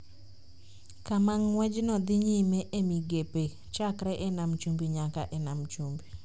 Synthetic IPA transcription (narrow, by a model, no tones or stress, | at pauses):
kamaŋːwɛd͡ʒnɔd̪ɪɲimeʔemiɡepe | t͡ʃakɾɛʔɛnamt͡ʃumbiɲakaʔɛnamt͡ʃumbi